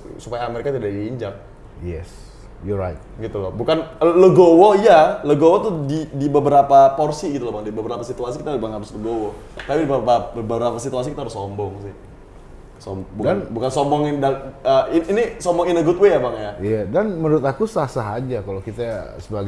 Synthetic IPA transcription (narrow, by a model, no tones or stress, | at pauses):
supajaːmeɾekat̪idaʔdiːɲd͡ʒaŋ̚ | jɛ̰s | jɔɾajt̪̚ɡit̪ulabukanləɡowoijaləɡowot̪udidibəbəɾapaporsiɡit̪ulɔbaŋdibəbəɾapasit̪uasikit̪adibaŋaɾʊsləɡowo | t̪apidibəapabəbəɾapasit̪uasikit̪aɾʊsːɔmbɔŋsɪh | sɔmbɔbudanbukansɔmbɔŋindaəiːnisɔmbɔŋinəɡut̪wejabaŋjaijadanmənuɾʊt̪akusasaɦad͡ʒakalokit̪asəbaɡ